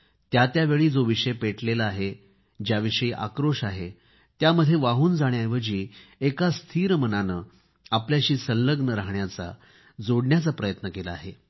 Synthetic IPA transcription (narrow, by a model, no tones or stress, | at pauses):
t̪jat̪jaʋeɭiːd͡zoʋiʂəjpeʈlelaaɦe | d͡ʑjaʋiʂəiːʔa̰kɾoʂaɦe | t̪jaməd̪ʱːjeʋaɦuːnd͡zaɽ̃jajʋəd͡ʑiːekast̪ʰiːɾəmənanəː | apljaɕiːsəlːəɡnəɾaɦɳjat͡sa̰ | d͡zoɽɳjat͡sapɾəjət̪nəkelaa̰ɦe